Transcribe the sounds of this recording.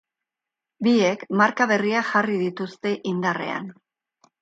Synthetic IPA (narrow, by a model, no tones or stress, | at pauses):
bie̞kmaɾkaβe̞riaxarið̞it̪ust̪e̞ʔind̪are̞̰a̰n